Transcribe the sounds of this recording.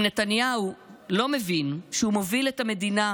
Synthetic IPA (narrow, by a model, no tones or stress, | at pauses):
netanjaulo̞mevinʃehumo̞vile̞tame̞dina